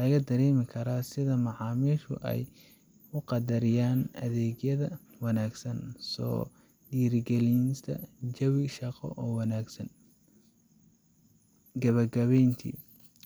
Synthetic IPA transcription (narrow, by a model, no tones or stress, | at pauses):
lɐɣɐd̪ɐɾɛːmɪkʰɐɾaːsɪðɐmɑʕɑːmiːʃʊ̰ʔɛ̰j | ʊqɑd̪ɐɾɪjaːnɐ̰ðɛːɣjɐðɐwɑnaːɡsɐnsɔ̰ː | ɖiːɾɡɛlinst̪ʰɐd͡ʒɐwɪʃɑqɔ̰ʔɔːwɑnaːɡsɐn | ɡɐβɐɡɐβɛjnt̪ʰḭː